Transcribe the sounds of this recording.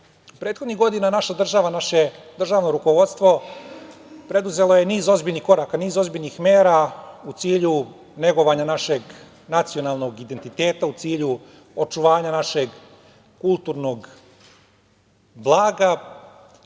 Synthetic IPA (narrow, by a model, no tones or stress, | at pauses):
upɾet̪xod̪niɣɡo̞d̪inanaʃad̪r̩ʒaʋanaʃed̪r̩ʒaːʋnoɾuko̞ʋo̞d̪st̪ʋo̞ | pɾe̞d̪uze̞lo̞je̞niːzo̞zbiʎnixko̞ɾaːkaniːzo̞zbiʎnixmeːɾaut̪siːʎu | ne̞ɡo̞ʋaɲanaʃe̞ɡ | nat̪sio̞nalˠno̞ɡid̪e̞nt̪it̪e̞ːt̪aut̪siːʎu | ot͡ʃuʋaːɲanaʃe̞ɡ | kulˠt̪uɾno̞ɡ | blˠaːɡa